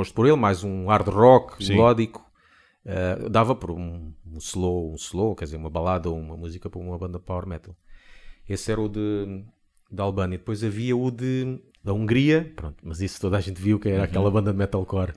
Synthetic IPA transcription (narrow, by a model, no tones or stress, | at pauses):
oʃt̪̚pɔɾelˠmajzũaɾðʁɔkslˠɔðiku̥ | ɛd̪avɐpɔɾũslˠoũslˠokɛɾd̪izeɾumɐβɐlˠaðɐoumɐmuzikɐpɔɾumɐβɐ̃nd̪ɐpawɛɾmɛt̪ɐlˠ | esɛɾɐuðɨ | d̪alˠβɐ̃ɲɐid̪ɨpojzɐviɐuðɨ | d̪ɐũŋɡɾiɐpɾõnt̪umɐzist̪oðaʒẽnt̪viwukɛɾakɛlˠɐβɐ̃nd̪ɐðmɛt̪alˠkɔɾ